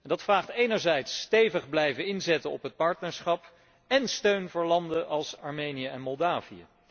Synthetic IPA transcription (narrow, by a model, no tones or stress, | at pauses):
ɛndɑtfraːχtejnəɹzɛjtstejvəχblɛjvənɪnzɛtəɔ̰pɦət̚pɑɹtnəɹsχɑp | ɛnstøɥnvʊːɹlɑndəʔɑlˠsɑɹmejnijəɛnmɔlˠdaːvijə̰